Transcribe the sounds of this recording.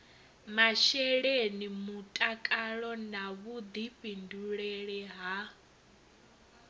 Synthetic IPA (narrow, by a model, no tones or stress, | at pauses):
maʃɛɺenimutʼakʼaɺɔnaβud̪iɸinduɺɛɺɛɦa